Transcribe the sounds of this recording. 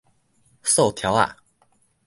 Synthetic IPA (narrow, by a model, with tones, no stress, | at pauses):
so˥˨t̪ʰja˨˦wa̰˨